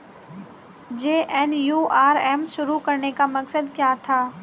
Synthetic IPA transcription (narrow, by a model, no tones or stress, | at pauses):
d͡ʒeːʔɛːnjuːʔaːɾɛːmʃʊɾukɐɾnekamɐksəd̪kjaːt̪ʰaː